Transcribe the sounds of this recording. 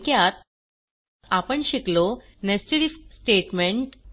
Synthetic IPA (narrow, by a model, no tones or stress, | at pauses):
kjat̪ | apəɳɕiklo | nesʈiɽifsʈeʈmeɳʈ